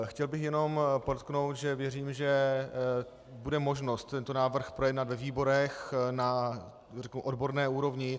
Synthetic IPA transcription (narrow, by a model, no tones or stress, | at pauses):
xcɛlbɪxjɛno̞mpodot̪kno̞wt̪ʒɛvjɛriːmʒɛ | budɛmoʒno̞st̪ːɛnt̪onaːvr̩xpɾo̞jɛdnat̪vɛviːbo̞ɾɛxna | rɛknuʔodbo̞ɾnɛːuːɾo̞vɲɪ